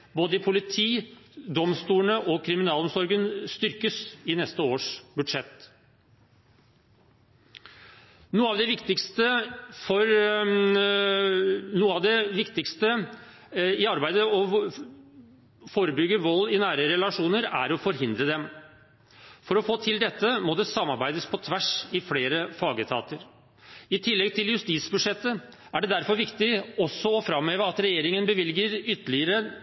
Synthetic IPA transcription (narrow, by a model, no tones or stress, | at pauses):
boːd̪əɪpʰʊlɪt̪ʰiːd̪ɔmst̪uːəɳəʔɔkʰɾɪmɪnɑːlɔmsɔɾɡənst̪ʏɾkəsɪnɛst̪əoːʂbʉd̪ʂɛt̪ː | nuːəɑːʋd̪ɛʋɪkt̪ɪkst̪əfɔɾ | nuːəɑʋd̪ɛʋɪkt̪ɪkst̪ə | ɪɑɾbæɪd̪əɔ | foːɾəbʏɡːəʋɔlːɪnæːɾəɾɛlɑʂuːnəɾæ̰ɾɔfɔɾɦɪnd̪ɾəd̪ɛm | fɔɾɔfoːt̪ʰɪld̪ɛt̪ːəmɔd̪ɛsɑmːɑɾbæɪd̪əspʰɔt̪ʰʋæʂɪfleːɾəfɑːɡət̪ʰɑ̰ːt̪əɾ | ɪt̪ʰɪlːɛɡt̪ʰɪljʉst̪iːt̪sbʉʂɛt̪ːə | æɖɛd̪æɾfɔɾʋɪkt̪ɪɔsːɔɔfɾɑmhøːʋəɾɑt̪ɾɛjeːɾɪŋənbəʋɪlɡəɾʏt̪ːəlɪəɾə